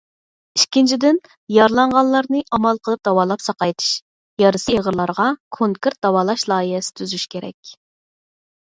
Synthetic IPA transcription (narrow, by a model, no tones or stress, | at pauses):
iʃkʲint͡ʃʰid̪ɪn | jɑɾlˠɑɴʁɑnlˠɑɾnɨʔɑmɑlˠqʰəlˠɨp̚d̪ɑwɑːlˠɑpsɑqɑjt̪ʰɨ̥ʃ | jɑɾɨsɨeʁəɾlˠɑɾʁɑkʰoŋkɨɾt̪̚d̪ɑwɑːlˠɑʃlˠɑːiɦɛsɪ̥t̪ʰyzyʃkʲʰeɾɛ̰kʲ